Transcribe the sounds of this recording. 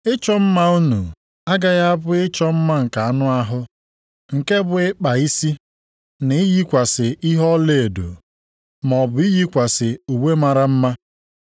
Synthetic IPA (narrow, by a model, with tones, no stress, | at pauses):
ɪ˦t͡ʃɔ˦m̩˦ma˦u˦nu˨ | a˦ɡa˦ɣa˦a˦bʊ˦ɪ˦t͡ʃɔ˦m̩˦ma˦ŋ̩˨ka˨a˨nʊ˦a˦ɦʊ˦ | ŋ̩˨ke˦bʊ˨ɪ˦k͡pa˨i˦si˦ | nɪ˨˦i˦ji˦kʷa˨sɪ˨i˦ɦɔ˦le˦˨e˨do̰˨ | m˨ɔ˨bʊ˨i˦ɣi˦kʷa˨sɪ˨u˨we˦ma˨ɾa˦m̩˦ma˦